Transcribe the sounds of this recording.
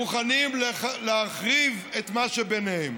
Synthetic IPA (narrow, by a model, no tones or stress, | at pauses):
uχanimlleaχʁivet̪maʃebenehem